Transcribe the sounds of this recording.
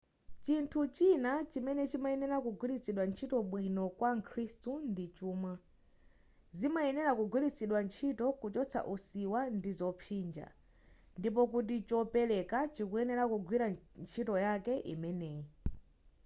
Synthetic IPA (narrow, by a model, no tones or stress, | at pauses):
t͡ʃintʰut͡ʃinat͡ʃimɛnɛt͡ʃimaɛnɛɾakuɡwilit͡sʰiɗwant͡ʃʰitɔɓwinɔkwaŋkʰɾistundit͡ʃuːma | zimaɛnɛɾakuɡwiɾit͡siɗwant͡ʃʰitɔkut͡ʃɔt͡sʰa̰ʔusiwandizɔpʰiːnd͡ʒa̰ | ndip̬ɔk̬ut̬it͡ʃɔpɛlɛkat͡ʃikuɛnɛɾakuɡwiɾant͡ʃʰitɔjakɛʔḭmɛnɛːji